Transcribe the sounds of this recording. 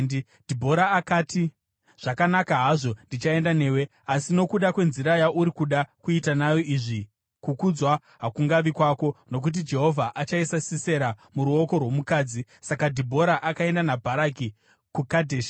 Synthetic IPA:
d̥ʱibʱo̞ɾaːkaːti | ʐ̥akanakaɦaʐo̞ndit͡ʃae̞ndane̞ːwe̞ | asino̞kuɗakwe̞nziɾajaʔuɾikuɗakuitanajo̞iʐi | kukud͡zwa | ɦakuŋɡaʋikwako̞no̞k̬ut̬id͡ʒe̞ɦo̞vʱaʔat͡ʃaisasise̞ɾamuɾuo̞ko̞rwo̞mukaːd͡zi | sakadʱibʱo̞ɾaʔakae̞ndanabʱaɾaki | kukadʱeʃ

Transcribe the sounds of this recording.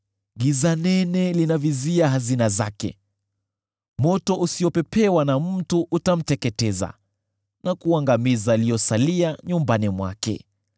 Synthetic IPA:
ɠizanɛnɛlinaviziaɦazinazakɛ̰ | mɔtɔʔusiɔpɛpɛwanam̩tuʔutam̩tɛkɛtɛza̰ | nʔakuaŋɡamizaːlijɔsaliaɲumbanimwa̰kɛ̰

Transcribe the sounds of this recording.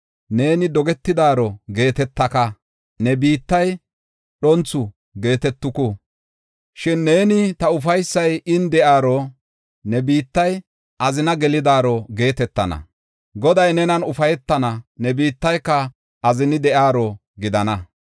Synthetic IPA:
ne̞ːnɪd̪ɔɡɛt̪ːɪd̪aːɾɔɡe̞ːt̪ɛt̪ːɐkɐ | nɛbiːt̪ːɐj | ɗɔnt͡sːʊ | ɡe̞ːt̪ɛt̪ːʊkʊ | ʃɪnːe̞ːnɪt̪ɐʊfɐjsːɐjɪnd̪ɛʔaːɾɔ | nɛbiːt̪ːɐj | ʔɐzɪnɐɡɛlɪd̪aːɾɔɡe̞ːt̪ɛt̪ːɐnɐ̰ | ɡɔd̪ɐjnɛnɐnʊfɐjɛt̪ːɐnɐnɛbiːt̪ːɐjkːɐ | ʔɐzɪnɪd̪ɛʔaːɾɔ | ɡɪd̪ɐnɐ

